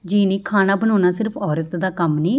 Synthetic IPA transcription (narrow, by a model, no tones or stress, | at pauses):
d͡ʒiːniːkʰaːnaːbənõːnaːsɪɾpʰɔːɾət̪d̪aːkəmniː